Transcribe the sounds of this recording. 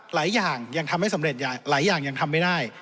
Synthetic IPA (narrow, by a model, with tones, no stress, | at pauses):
laː˩˦jːaː˨˩ŋja˧ŋt̪ʰa˧mha˥˩jsa˩˦ɾe˨˩t̪̚jaː˨˩laː˩˦jːaː˨˩ŋja˧ŋt̪ʰa˧mːa˥˩jdaː˥˩j